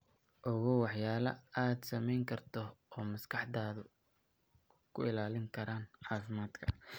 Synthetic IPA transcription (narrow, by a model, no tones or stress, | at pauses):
ʔɔɣɔwɑħjaːlɐ̰aːd̪sɐmɛjŋkʰɐrt̪ʰɔɔːmɐskʰɑħd̪aːðʊ | kʰʊɪlaːlɪŋkʰɐɾaːnʕɑːfɪmaːd̪kʰɐ̰